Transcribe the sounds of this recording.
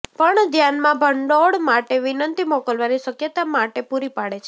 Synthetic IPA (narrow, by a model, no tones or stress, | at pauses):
pəɳd̪ʱjanmãbʱəɳɖoɽmaʈeʋinənt̪imɔkəlʋaniʃəkjət̪amaʈepuɾipaɽet͡ʃʰe